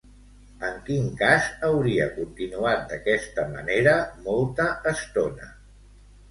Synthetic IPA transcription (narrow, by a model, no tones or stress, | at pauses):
əŋkiŋkazəwɾiəkunt̪inuat̪̚d̪əkɛst̪əmə̰neɾəmɔlˠt̪əːst̪onə̰